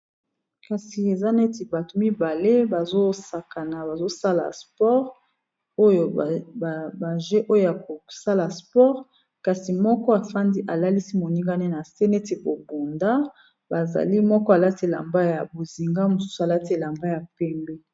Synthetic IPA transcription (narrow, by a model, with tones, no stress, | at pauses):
ka˨si˨e˨za˦ne˦ti˨ba˨to˨mi˦ba˨le˦ba˨zo˦sa˨ka˨na˨ba˨zo˦sa˦la̰˨spɔ˦ʁ | o˦jo˨ba˨ʒe˦ʔo˦jo˦ja˨ko˨sa˦la˨spɔ˦ʁ | ka˨si˨mɔ˦kɔ˦a˨fa˦ndi˦ʔa˨la˦li˦si˦mo˨ni˦ŋɡa˦ne˦na˨se˦ne˦te˨bo˨bo˨nda˦ | ba˨za̰˨li˦mɔ˦kɔ˦a˨la˦te˨la̰˨mba˦ja˨bo˨zi˨ŋɡa˦mo˨su̥˦su˦a˨la˦te˦˨la˨mba˦ja˨pɛ˦mbɛ˦